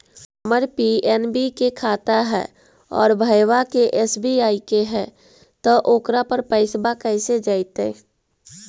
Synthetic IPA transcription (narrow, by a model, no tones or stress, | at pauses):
əməɾpiɛːnbikekʰaːt̪aɦɛ̰ː | ɔ̰ːɾbʱəjwakeʔɛsbiaːikeɦɛ̃ | t̪ɔʔoːkɾapəɾpəɪsbakɛːsed͡ʒaːɪt̪eː